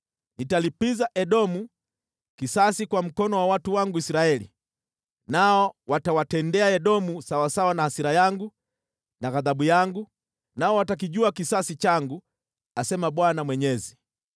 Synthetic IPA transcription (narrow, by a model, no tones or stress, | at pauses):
nitalipizaʔɛɗɔmu | kisasikwam̩kɔnɔwawatuwaŋɡuisiɾaɛlḭ | naɔwatawatɛndɛaɛɗɔmusawasawanahasiɾajaŋɡu | naɣaðaɓujaŋɡu | naɔwatak̬iʄuakisasit͡ʃaŋɡu | asɛmaɓwanamwɛɲɛzi